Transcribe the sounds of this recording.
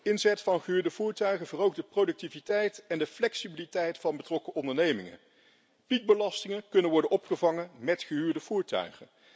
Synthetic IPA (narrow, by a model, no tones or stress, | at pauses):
ɪnzɛtfɑnχəɦyːɹdəvuːɹtœɥχənvərowk̚dəprodɵk̚tivitɛjtɛndəflɛksibilitɛjtfɑnbətrɔkəʔɔndəɹnejmɪŋə̰n | pik̚bəlɑstɪŋənkɵnənʋɔɹdənʔɔpχəvɑŋənmɛtχəɦyːɹdəv̥uːɹtœ̰ɥχən